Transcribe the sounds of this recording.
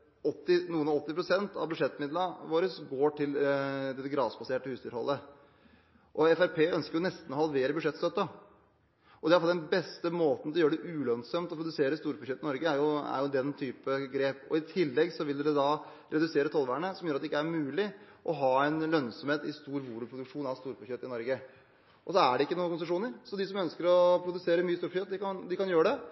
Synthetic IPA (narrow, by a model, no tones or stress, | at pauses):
ɔt̪ːɪnuːənɑɔt̪ːɪpɾʊsɛnt̪ʰɑ̰ʋbʉd̪ʂɛt̪ːmɪd̪lɑʋoːɾəsɡoːʈʰɪld̪ɛt̪ːəɡɾɑːsbɑseːʈːəhʉːst̪ʰɪlhɔ̰lːə | ʔɔɛfæɾpʰeːœnskəɾjʊnɛst̪n̩ɔhɑlʋeːɾəbʉd̪ʂɛt̪st̪œt̪ːə | ʔɔd̪ɛæɑlfld̪nbɛst̪əmoːt̪n̩t̪ʰɪljøːəɖɛʔʉːlœnsɔmt̪ɔpɾʊd̪ʉseːɾəst̪uːɾbʉʂɛt̪ːɪnɔɾɡəæɾjʊæ̰ɾjʊd̪ɛnt̪ʰyːpəɡɾeːpɔ̰ɪt̪ʰɪlːɛɡsɔʋɪld̪d̪ɛd̪ɑ | ɾʔɛd̪ʉseːɾət̪ʰɔlʋæːəɳəsɔmjøːɾɑt̪d̪ɛɪkːæɾmʉːlɪʔɔɦɑːɛɪnlœnsɔmheːt̪ɪst̪uːɾʋuːlʉpʰɾʊd̪ʉkʂuːnɑʋst̪uːɾpʰʉçœt̪ːɪnɔɾɡə | ʔɔsɔæɖɛɪkːənuːəkʊnsəʂuːnəɾsɔd̪ɪsɔmœnskəɾɔpʰɾʊd̪ʉseːɾəmyːəst̪uːɾpçœt̪̚d̪ɪkɑnd̪ɪkɑnjøːɾəɖɛ